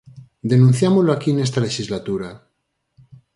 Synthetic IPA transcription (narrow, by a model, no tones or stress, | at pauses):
d̪e̞nũn̟θjamoloakienest̪ale̞ʃizlat̪uɾa